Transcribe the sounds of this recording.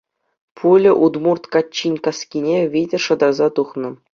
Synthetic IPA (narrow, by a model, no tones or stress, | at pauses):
pʰulʲɘ̆ʔud̪murt̪kɑt͡ɕːinʲkɑskʲinʲeʋʲidʲɘ̆rʂɤ̆d̪ɑrzɑt̪uχnɤ̆